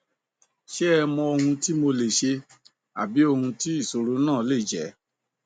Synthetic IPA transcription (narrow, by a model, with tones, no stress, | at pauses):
ʃɛ˦ɛ˧mɔ̃˧o˧hũ˧ti˦mo˧le˨ʃe˧ | a̰˨bi˨˦o˧hũ˧ti˦i˦˨so˨˦ɾu˦nãː˦˨˦le˦˨d͡ʒɛ˨˦